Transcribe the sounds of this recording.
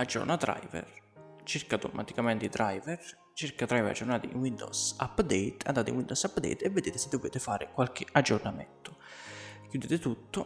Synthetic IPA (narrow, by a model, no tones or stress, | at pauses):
ad͡ʒːo̰ɾnad̪ɾa̰jvɛ̰rt͡ʃiɾkat̪omʔat̪ikamɛnt̪id̪ɾʔajvɛr | t͡ʃiɾkat̪ɾajvɾa̰d͡ʒːornaːt̪iḭnwind̪o̰sapːd̪ɛjt̪a̰nd̪aːt̪ɪḭnwind̪osapːd̪ɛ̰jt̪ɛvːed̪eːt̪ɪsɪd̪ːoveːt̪ɪfaːɾɪkwalk̟ɪad͡ʒːornamɛ̰nt̪ʊkjud̪eːt̪ɪt̪ut̪ːʊ